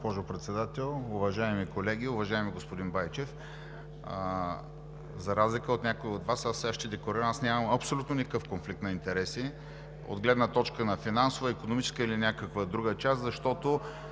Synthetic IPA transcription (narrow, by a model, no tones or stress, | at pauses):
pɔʒʊpɾɛt̪sɛd̪at̪ɛlˠʊvɐʒaɛmikolɛɡ̟iʊvɐʒaɛmiɡospʊd̪inbajt͡ʃɛf | zɐɾazlikəot̪nʲakoiod̪vasasɛaʃt̪ɛd̪ɛklˠoɾiɾəmasnʲaməmɐpsolʲut̪nonʲikəkɤfkonflik̚t̪nɐint̪ɛɾɛsi | o̰d̪ɡlɛd̪nət̪ɔt͡ʃkənɐfinansovəikonomit͡ʃɛ̥skəilinʲakəkvəd̪ɾuɡət͡ʃast̪zɐʃt̪ɔt̪o